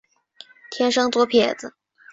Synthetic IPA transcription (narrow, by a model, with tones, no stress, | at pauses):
t̪ʰjɛ˥nʂɤ˥ŋt͡swɔ˧˥pʰjɛ˨˩d͡z̩˦